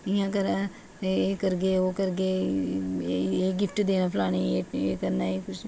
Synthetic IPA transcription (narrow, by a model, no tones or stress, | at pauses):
ɪɦãːkɐɾa | eːkəɾɡeoːkəɾɡe | eːɡɪfʈd̪eːnapʰlaːñĩeeːkɐɾnaːekʊt͡ʃʰ